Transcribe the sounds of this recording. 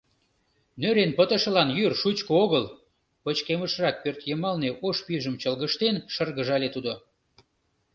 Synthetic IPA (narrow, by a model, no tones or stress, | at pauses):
nøɾenpət̪ə̆ʃə̆lɑnjyrʃut͡ɕkooɣəl | pət͡ɕkeməʃrɑk̚pørt̪jəmɑlneʔoʃpyʒəmt͡ɕəlɣəʃt̪enʃərɣəʒɑlet̪ud̪o